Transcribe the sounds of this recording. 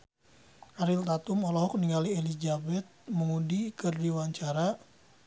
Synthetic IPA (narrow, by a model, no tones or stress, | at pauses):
aɾilt̪at̪umɔlɔɦɔk̚niŋalielid͡ʒabɛt̪̚məmudikɨrdiwaɲt͡ʃaɾa